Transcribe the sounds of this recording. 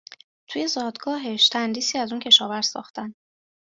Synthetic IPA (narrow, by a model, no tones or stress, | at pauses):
t̪ʰuːje̞zɒːd̪ɡɒːɦeʃt̪ʰænd̪iːsiːæzuncʰe̞ʃɒːvæɾz̥sɒ̰ːxt̪ʰæn